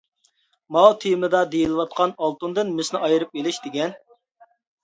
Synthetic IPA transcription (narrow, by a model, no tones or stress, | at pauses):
mɑwt̪ʰijmɨd̪ɑd̪ejilˠɨwɑt̪̚qʰɑnɑlˠt̪und̪ɨnmɪsnɪɑjɨɾɨp̚elɪʃd̪eɡʲɛn